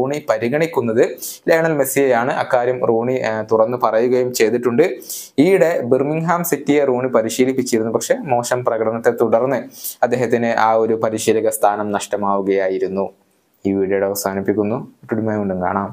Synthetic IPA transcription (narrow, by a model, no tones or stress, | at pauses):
uːɳipɐɾiɣɐɳikʲːunːɐðɨleːɳɐlmesijɐjaːɳɨʔɐkːaːɾjɐmruːɳit̪urɐnːɨpɐrɐjuɣɐjumt͡ɕe̞jt̪iʈːuɳɖɨijɽe̞birmiŋɦaːmsitːijeruːɳipɐɾiɕiːlipːit͡ɕːijɾunːupɐkʂe̞mo̞ːʂɐmprɐɣɐɽɐnɐt̪ːet̪uɽɐrnːɨɐd̪ːe̞ːɦɐt̪ːinɨʔaːo̞ɾupɐɾiɕiːlɐɣɐst̪ʰaːnɐmnɐʂʈɐmaːʋuɣɐjaːjiɾunːu | iːʋiːɽjɐjuɽeɐʋɐsaːnipːikʲːunːuʈːuɽimaːjuɳɖuŋka̰ːɳaːm